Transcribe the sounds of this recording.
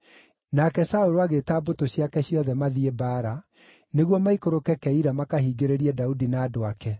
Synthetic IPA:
nakɛsaoɾoaɣetaːbotoɕjakɛɕjɔðɛmaðiebaːɾa | neɣwɔmaikoɾokɛkɛiɾamakahiɡeɾeɾiɛdaudinaːdoakɛ

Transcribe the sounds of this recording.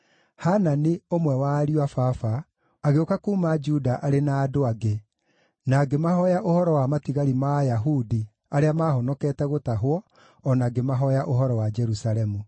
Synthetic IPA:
hananeomwɛwaɾiwafafa | aɣeokakuːmad͡ʒudaʔaɾenaːdoaɡe | naɡemahɔjaʔohɔɾɔwamatiɣaɾimajaɦudi | aɾeamaːɦɔnɔkɛːtɛɣotaɦwɔ | ɔnaɡemaɦɔjaʔoɦɔɾɔwad͡ʒɛɾusalɛmu

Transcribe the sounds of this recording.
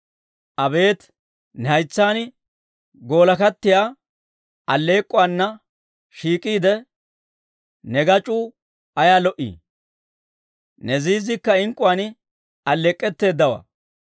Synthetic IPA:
ʔɐbe̞ːt̪ | nɛhɐjt͡sːaːn | ɡo̞ːlɐkɐt̪ːɪjaː | ɐlːeːkʼːʊwanːɐ | ʃiːkʼiːd̪ɛ | nɛɡɐt͡ʃʼuː | ɐjaːlɔʔḭː | nɛziːzɪkːɐɪŋkʼːʊwaːn | ɐlːeːkʼːɛt̪ːe̞ːd̪ːɐwɐ̰

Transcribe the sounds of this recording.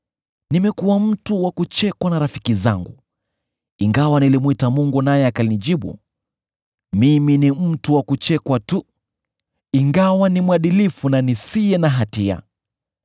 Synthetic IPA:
nimɛkuwam̩tuwakut͡ʃɛkwanaɾafi̥kiza̰ŋɡu | iŋɡawanilimwitamuŋɡunajɛakaliniʄiɓṵ | miminim̩tuwakut͡ʃɛkwatu | iŋɡawanimwaɗilifunanisijɛnaɦatia̰

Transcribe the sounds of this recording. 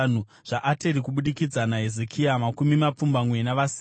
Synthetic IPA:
n̤u | ʐ̥aʔateɾikuɓuɗikid͡zanaɦezekʰiamakumimap͡fumbamwe̞naʋas

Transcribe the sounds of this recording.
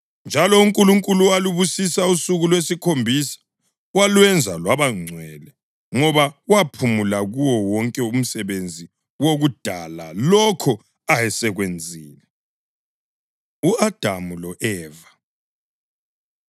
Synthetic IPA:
nd͡ʒʱalɔuŋkʼuluŋkʼulualuβusisausuɣulwesikʰombʱisḁ | walwɛnd͡zʱa̰lwaβaŋ͡ǀʱwɛlɛ | ŋɔβawapʰumulaɣuwɔwɔŋkʼɛum̩sɛβend͡zʱi | woɣud̥ʱalalɔkʰɔ | ajɛsɛɣwend͡zʱiːnɛ | uad̥ʱamulɔʔɛːva

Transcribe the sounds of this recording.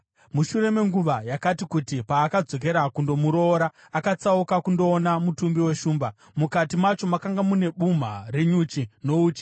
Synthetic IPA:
muʃure̞me̞ŋɡuʋajakatikutipaːkad͡zo̞k̬e̞ɾakundo̞muɾo̞ːɾaːkat͡saukakundo̞ːnamutumbiwe̞ʃuːmba | mukatimat͡ʃo̞makaŋɡamune̞ɓum̤a̰reɲut͡ʃino̞uːt͡ʃi̥

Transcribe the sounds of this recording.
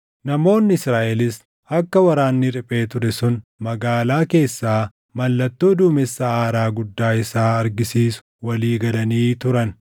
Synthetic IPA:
nɐmo̞ːnːɪɪsɾaːʔɛlɪs | ɐkːɐwɐɾaːnːɪɾɪpʼe̞ːt̪ʊɾɛsʊnmɐɡaːlaːke̞ːsːaː | mɐlːɐt̪ːoːd̪uːmɛsːɐaːɾaːɡʊd̪ːaːɪsaːɐɾɡɪsiːsʊ̥ | wɐliːɡɐlɐniːt̪ʊɾɐn

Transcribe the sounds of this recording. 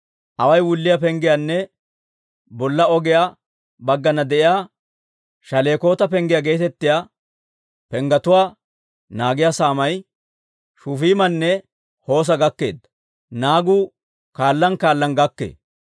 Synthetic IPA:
ʔɐwɐjwʊlːɪjap̬ɛŋɡɪjanːɛ | bɔlːɐɔɡɪja | bɐɡːɐnɐd̪ɛʔɪjaː | ʃɐle̞ːko̞ːt̪ɐpɛŋɡɪjaɡe̞ːt̪ɛt̪ːɪja | pɛŋɡɐt̪ʊwaː | naːɡɪjasaːmɐj | ʃufiːmɐnːɛ | ho̞ːs̬ɐɡɐkːe̞̰ːd̪ːɐ | naːɡuː | kaːlːɐnkaːlːɐnɡɐkːḛː

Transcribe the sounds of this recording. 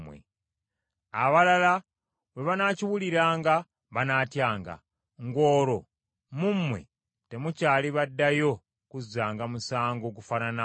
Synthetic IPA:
mwḛ | aβalala | βwe̞βanaciwuliɾaːŋɡa | βanaːtjaːŋɡa̰ | ŋɡo̞ːɾo̞ | mumwe̞̰ | te̞mucaːliβadːajo̞ | kuzaːŋɡamusaːŋɡokufanana

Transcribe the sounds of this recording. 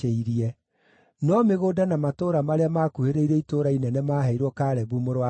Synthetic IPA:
eiɾiɛ | nɔmeɣoːdanamatoɾamaɾeamaːkuheɾeiɾɛitoɾainɛnɛmaːɦɛiɾwɔkaɾɛβumoɾwa

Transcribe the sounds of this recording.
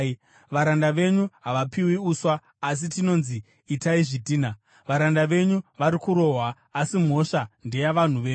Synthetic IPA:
ʋaɾandaʋe̞ɲuɦaʋapiwiuswaː | s̬itino̞nziː | taiʐitiːna | ʋaɾandaʋe̞ɲuʋaɾikuɾo̞ːɦwaː | sim̤o̞ʂande̞jaʋan̤uʋe̞ːɲu

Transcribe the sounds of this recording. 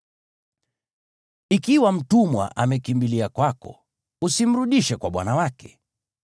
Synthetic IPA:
ikiwam̩tumwa̰ʔamɛkimbiliakwakɔ̰ | usim̩ɾuɗiʃɛkwaɓwa̰nawakɛ̥

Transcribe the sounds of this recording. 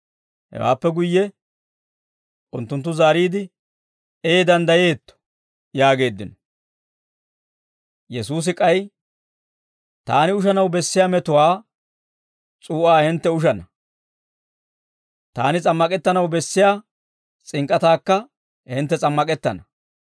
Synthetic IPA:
hɛ̰wa̰ːpːɛɡʊjːɛ | ʊnt̪ːʊnt̪ːʊzaːɾiːd̪ɪ | eːd̪ɐnd̪ɐje̞ːt̪ːɔ̥ | jaːɡe̞ːd̪ːɪnɔ | jɛsuːs̬ɪkʼɐj | t̪aːnɪʊʃ̬ɐnɐwbɛsːɪjaːmɛt̪ʊwaː | t͡sʼuːʔaːhɪnt̪ːɛʊʃ̬ɐnɐ | t̪aːnɪt͡sʼɐmːɐkʼɛt̪ːɐnɐwbɛsːɪjaː | t͡sʼɪŋkʼːɐt̪aːkːɐ | hɪnt̪ːɛt͡sʼɐmːɐkʼɛt̪ːɐnɐ

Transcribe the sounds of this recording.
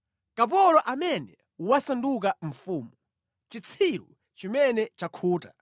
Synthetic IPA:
kap̬ɔlɔʔamɛnɛ | wasanduk̬aɱ̩fuːmu | t͡ʃit͡sʰiɾṵ | t͡ʃimɛnɛt͡ʃakʰuːta

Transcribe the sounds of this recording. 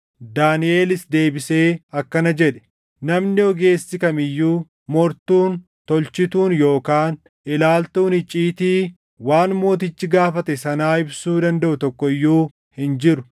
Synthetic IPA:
d̪aːnɪʔe̞ːlɪsd̪e̞ːbɪse̞ːɐkːɐnɐd͡ʒɛᶑɛ̥ | nɐmnɪɔɡe̞ːsːɪkɐmɪjːuː | mɔɾt̪uːn | t̪ɔlt͡ʃɪt̪uːnjo̞ːkaːn | ʔɪlaːlt̪uːnhɪt͡ʃʼiːt̪iː | waːnmo̞ːt̪̬ɪt͡ʃːɪɡaːfɐt̪ɛsɐnaːɪbsuːd̪ɐnd̪ɐʔʊt̪ɔkːɔɪjːuː | hɪnd͡ʒɪɾʊ

